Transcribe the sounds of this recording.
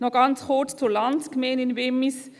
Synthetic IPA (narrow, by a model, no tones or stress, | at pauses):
noɡɑnshoːtt͡sulɑnskmeːnɪnʋemɪs